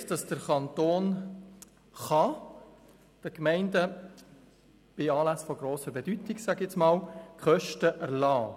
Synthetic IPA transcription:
d̥ɑsd̥əɾkɑnt̪oːn | χɑ | d̥əkmɛɪndə | b̥ɪɑːlæsfɔɡɾoːsəɾbɛdytɪɡsæɡɛt͡smɑːlkʰχœʃtəʔæɾlɑː

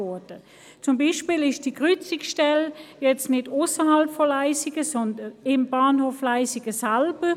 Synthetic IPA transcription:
ɔd̥ə | t͡sʊmbiːʃpiːlɪʃd̥iːkʁʏt͡sɪksʃtɛljɛt͡stnɪdʊsəɦɑlpfɔlaɪsɪɡ̥əsɔndənɪmb̥aːnhoːflaɪsɪɡ̥əsɛlb̥ə

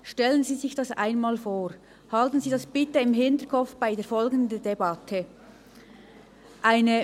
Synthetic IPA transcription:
ʃtɛlənziːzɪçd̥ɑsa̰ɪnmaːlfoːʁ | hɑltən̩ziːdɑsb̥ɪtəɪmɦɪntəkʰɔp͡fb̥aɪdeːɐfɔlɡən̩dən̩debɑtʰə | ʔaɪnə

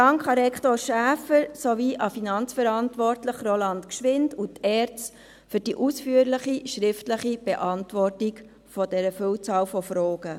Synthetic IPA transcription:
dɑŋkχɑɾɛktoːɾʃæːfəɾsoʋiʔɑfinɑnt͡sfɛɾɑntʋɔrtləχrolɑnt̪kʃʋɪndut̪ʰɛːɾt͡s | fʏd̥iʔusfyəɾləχiʃɾɪftləχib̥ɛʔɑntʋɔrtik | fɔd̥ɛɾəføwt͡sɑːwfɔfɾoːɡ̥ə

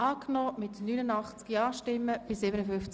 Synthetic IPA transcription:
aːknɔːmɪtnyːnənɑχt͡skiaːʃtɪmːəb̥ɪsɪːbənəfʏnft͡s

